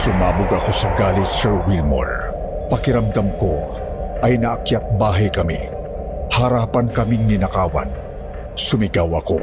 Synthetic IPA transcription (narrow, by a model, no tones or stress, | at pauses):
sʊmaːbʊɡɐko̞sɐɡaːlɪt̪sɛɹwilmo̰ɹ | pɐkɪɾɐmd̪amko | ʔɐjnɐʔːkjat̪̚baːɦɐjkɐmḭ | hɐɾaːpɐnkɐmiŋnɪnɐkaːwɐ̰n | sʊmɪɡawɐko̰